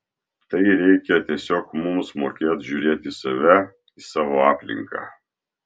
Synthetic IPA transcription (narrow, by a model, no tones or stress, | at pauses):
t̪ɐɪɾʲɛɪkʲɛt̪ʲiɛsʲoːkmʊmsmoːkʲeːt̪ʒʲuːɾʲeːt̪ʲɪsɐʋʲɛ | ɪsɑːʋoːɑːpʲlʲɪ̰ŋkɑ̰ː